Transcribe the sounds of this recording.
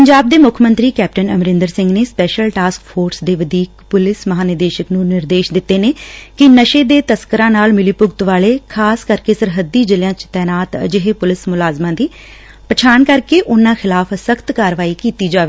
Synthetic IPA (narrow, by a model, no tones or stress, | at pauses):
pəɲd͡ʒaːb̚d̪eːmʊkʰmə̃nt̪ɾiːkɛːp̚ʈənəmɾɪ̃nd̪əɾsɪ̃ŋɡneːspɛːʃəlʈaːskfʰoːɾsd̪eːʋəd̪iːkpʊlɪsməɦaːnɪɾd̪eːʃəknũːnɪɾd̪eːʃd̪ɪt̪ːeːneːkɪnəʃeːd̪eːt̪əskəɾãːnaːlmɪliːpʊɡt̪ʋaːleːkʰaːskəɾkeːsəɾɦəd̪ːiːd͡ʒəlɪjãːt͡ʃt̪ɛːnaːt̪ə̰d͡ʒɪɦeːpʊlɪsmʊlaːzmãːd̪iː | pət͡ʃʰaːnkəɾkeːʔʊnãːxʰɪlaːfsəkʰt̪kaːɾʋaːiːkiːt̪iːd͡ʒaːʋeː